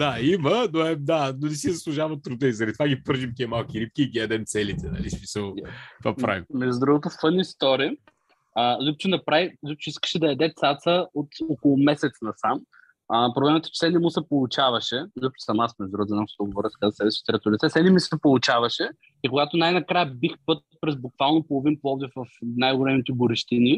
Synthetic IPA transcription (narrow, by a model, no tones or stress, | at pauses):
d̪aimənoɛd̪anonɛs̬izɐslˠuʒavɐmot̪ːɾʊd̪əizɐɾd̪ʲit̪ovaɡʲipɤɾʒimkɛmalˠkʲiɾip̚kʲiːɡʲiɛd̪ɛmt̪sɛlit̪ɛnɐ̰lismisəlˠt̪vapɾa̰vimmɛd͡ʒ̪ud̪ɾuɡot̪offənist̪ɔɾiə | əlʲup̚t͡ʃɛnɐpɾavizʲup̚t͡ʃʊiskə̥ʃɛd̪ɐɛd̪ɛt̪sat̪səot̪okolˠʊmɛsɛt̪snɐsam | əpɾoblɛmɐt̪ɛ̥t͡ʃɛ̥sɛnɛmusɛpolˠʊt͡ʃavɐʃɛzʲup̚t͡ʃu̥sɐmasmɛʒd̪ɾuɣot̪znamʃt̪oɡovɔɾɛskazsɛbɛst͡ʃi̥t̪ɾɛt̪ʊlʲit̪sɛsɛnɛmissɛpolˠʊt͡ʃavɐʃɛ | ikʊɡat̪onajnɐkɾajəbixpɤt̪̚pɾɛzbʊkvalˠnopolˠoʊvinpˠɔvd̪ɛvɐfnajɡolɛmit̪ɛɡʊɾiʃt̪ini